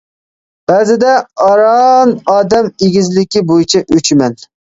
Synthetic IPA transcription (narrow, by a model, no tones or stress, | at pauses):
b̥æːzɪd̪ɛɑɾɑnɑːd̪ɛmeɡʲizlɪkʲibojit͡ʃʰɛʔøt͡ʃʰimɛn